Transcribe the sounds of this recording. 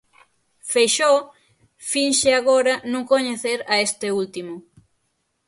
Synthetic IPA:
fejʃɔ | finʃɪaɣoɾɐnũŋkoɲeθeɾaest̪ɪult̪imʊ

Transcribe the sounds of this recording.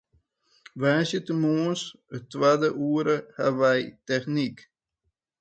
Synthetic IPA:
ʋaːsjətəmoəns | ətːʋadəʔuːəɾəha̰ʋɛjtɛχnik

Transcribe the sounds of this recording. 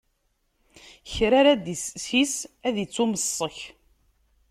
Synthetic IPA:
çɾaɾæd̪issisæðit͡sːuməsˤːəç

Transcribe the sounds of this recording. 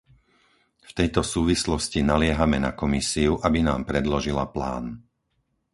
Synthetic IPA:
ft̪ɛjt̪ɔsuːʋislɔscinalɪɛɦamɛnakɔmisiuʔabinaːmpɾɛd̪lɔʒilapla̰ːn

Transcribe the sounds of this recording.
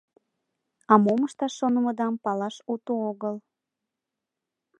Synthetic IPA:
ɑmoməʃt̪ɑʃːonəməd̪ɑmpɑlɑʃut̪uoɣəl

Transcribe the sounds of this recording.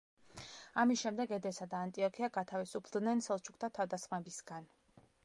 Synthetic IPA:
amisʃɛmd̪ɛɡɛd̪ɛsad̪aːnt̪ʼiɔkʰiaɡat̪ʰavisupʰd̪nɛnsɛlˠt͡ʃʰuk̚ʰt̪ʰat̪ʰavd̪asχmɛbisɡan

